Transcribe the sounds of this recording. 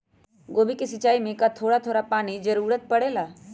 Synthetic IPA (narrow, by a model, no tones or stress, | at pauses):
ɡoːbʱikesɐt͡ʃaːimẽkat̪ʰoːɽat̪ʰoːɽapaːnid͡ʒɐɾuːɾət̪̚pɐɽeːlaː